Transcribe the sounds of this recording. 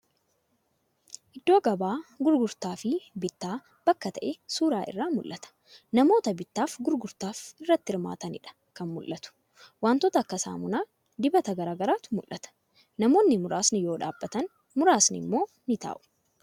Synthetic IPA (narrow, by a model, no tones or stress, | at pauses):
ʔɪd̪ːo̞ːɐɡɐbaːɡʊɾɡʊɾt̪aːfɪbɪt̪ːaː | b̥ɐkːɐt̪ɐʔɛsuːɾaːʔɪ̰rːaːmʊlːɐt̪ɐ̥ | nɐmo̞ːt̪ɐbɪt̪ːaːfɡʊɾɡʊɾt̪aːfɪrːɐt̪ːɪɪɾma̰ːt̪ɐnɪᶑɐ̥ | kɐnmʊlːɐt̪ʊ̥ | waːnt̪ɔt̪ɐkːɐsa̰ːmʊnaː | d̪ɪbɐt̪ɐɡɐɾaːɡɐɾaːt̪ʊmʊlʔɐt̪ɐ̥ | nɐmo̞ːnːɪmʊɾʔaːsnɪjo̞ːᶑa̰ːbːɐt̪ɐn | mʊɾaːsnɪ̰mːo̞ː | nɪt̪a̰ːʔʊ̥